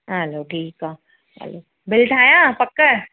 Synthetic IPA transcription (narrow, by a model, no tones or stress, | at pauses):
ɦəloːʈʰiːka | ɦə̰lo | bɪlʈʰaːjãpɐkːə